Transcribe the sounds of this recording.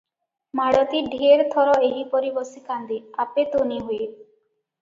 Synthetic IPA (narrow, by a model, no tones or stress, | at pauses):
maɽɔt̪iɖʱeɾt̪ʰɔɾɔeɦipɔɾibɔsikand̪iapet̪oniɦue